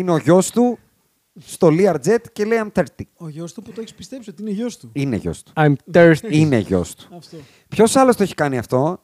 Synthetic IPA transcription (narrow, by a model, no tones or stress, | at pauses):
ineo̞ʝo̞st̪u | st̪o̞liɐɾd͡ze̞t̪celeiɐmt̪ɐɾt̪ioʝost̪uput̪oeçispist̪epsiot̪iinoʝost̪uinḛʝo̞̰st̪u̥ajmt̪eineʝo̞̰st̪u̥ft̪ | pço̞sɐlost̪oeçi̥kɐniɐft̪o̞